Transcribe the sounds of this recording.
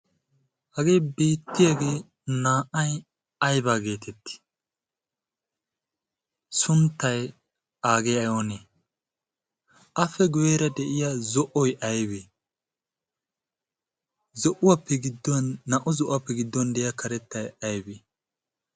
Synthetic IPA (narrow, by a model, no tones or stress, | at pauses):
hɐɡe̞ːbe̞ːt̪ːɪjaːɡe̞ː | naːʔɐj | ɐjbaːɡe̞ːt̪ʰɛt̪ːɪ̥ | sʊnt̪ːɐj | aːɡejɐjone | ʔɐfɛɡʊweːɾɐd̪ɛʔɪjazɔʔɔjʔɐjbe | zɔʔʊwɐpːɛɡɪd̪ːɔnːɐʔʊzɔʔʊwapːɛɡɪd̪ːɔnd̪ɛjakʰɐɾɛt̪ːɐjɐjbe